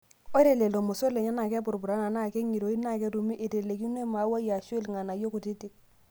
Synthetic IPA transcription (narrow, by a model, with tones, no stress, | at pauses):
o˦ɾe˨le˨lo˨mo˨so˦le˨ɲa˦na˨kɛ˦bu˨ɾbu˨ɾa˨˦na˨na˦˨kɛ˦ŋi˨ɾo˨i˦na˦˨kɛ˦ɾu˨mi˦ʔi˨te˨le˨ki˦n˦e˦ma˨˦wa˦ja˨ʃwlŋa˨na˨jo˦ku˨ti˦ti˦k̚